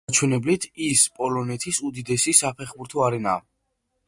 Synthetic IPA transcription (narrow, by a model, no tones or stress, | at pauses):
t͡ʃʰwɛnɛblit̪ʰispʼɔlɔnɛt̪ʰisud̪id̪ɛsisapʰɛχbuɾt̪ʰɔaɾɛnaː